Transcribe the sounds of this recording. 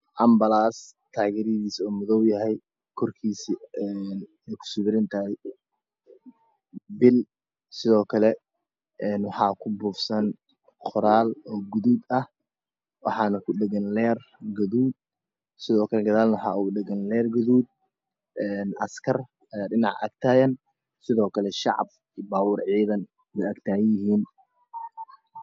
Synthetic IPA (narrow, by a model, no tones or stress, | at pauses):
ʔɐmbɐlaːst̪ʰaːɣɛːɾɪðiːsɔːmʊðɔwjɐɦɛj | kʰɔrkʰiːsiɛn | ɛjkʰʊ̥sʊβɪɾɪnt̪ʰɐj | bɪl | sɪðɔːkʰɐlɛ | ɛːnwɑħɑːkʰʊbuːfsɐn | qʰʊɾaːlɔːɡʊðuːd̪ɐh | wɑ̰ħɑːnɐkʰʊɗɛɣɐnlɛːrɡɐðuːd̪̚ | sɪðɔːkʰɐlɛɡɐðaːlnɐwħɑ̰ːuɡʊɖɪɡɐnlɛːrɡɐðuːd̪̚ | ɛːnʔɐ̰skʰɐr | ɐjaːɖɪnɑ̰ʕʔɐ̰ːɡ̚t̪ʰaːjɐn | sɪðɔːkʰɐlɛʃɑ̰ʕɑ̰b̚ | iːbaːwuːrʕiːðɐn | wɛjʔɐɡt̪ʰaːjɪɦiːn